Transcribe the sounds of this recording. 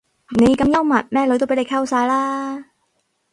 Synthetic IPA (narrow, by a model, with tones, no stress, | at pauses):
ne˨˧jkɐ˨˧mjɐ˥wmɐ˨t̚mɛː˥lt̪o˥wpe˨˥jljkʰɐ˥wsaː˧jlaː˥